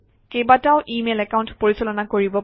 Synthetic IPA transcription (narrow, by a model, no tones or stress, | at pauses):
kejbataʊʔimelɛkaʊntpoɹisɛlɔnakoɹibɔ